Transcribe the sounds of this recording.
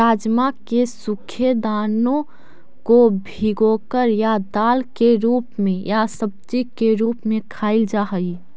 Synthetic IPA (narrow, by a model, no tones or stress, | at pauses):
ɾaːd͡ʒmakesʊkʰed̪aːnõ | kobʱiɡokəɾjad̪aːlkeɾuːpmẽjasəb̚d͡ʒikeɾuːpmẽkʰaːɪld͡ʒaɦəi